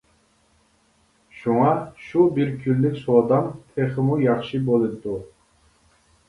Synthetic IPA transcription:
ʃuŋɑʃubiɾkʲʰylːykʲsud̪ɑmt̪ʰeχɪmujɑχʃibolˠit̪ːu

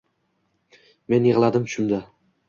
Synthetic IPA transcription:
me̞njeʁlˠad̪ɪmʃʊmd̪a

